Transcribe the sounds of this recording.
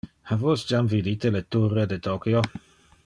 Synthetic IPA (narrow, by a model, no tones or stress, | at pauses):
havosd͡ʒamvidit̪elet̪uredet̪okio